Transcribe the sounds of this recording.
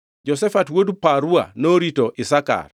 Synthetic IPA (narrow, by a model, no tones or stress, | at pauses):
d͡ʒɔsɛfatwodupaɾua̰noɾitoʔɪsaka̰r